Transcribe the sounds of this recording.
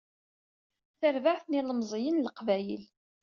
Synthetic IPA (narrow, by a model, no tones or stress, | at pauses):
θəɾvaʕθniləmzˤjənləqvæjə̰l